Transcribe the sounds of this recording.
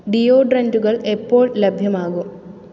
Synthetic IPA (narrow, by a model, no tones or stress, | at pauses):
ɖijo̞ːɖrɐnduɣɐɭe̞pːo̞ːɭlɐbʱjɐmaːɣum